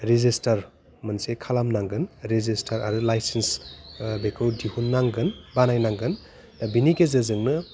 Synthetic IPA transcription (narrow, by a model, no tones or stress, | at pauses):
ɾizistɐɾ | mɐnsekʰalamnaŋɡɯnɾezistʰɐɾa̰ɾulajsensbekʰɯwdihunːaŋɡɯnbanajnaŋɡɯn | binikezɯzɯŋnɯ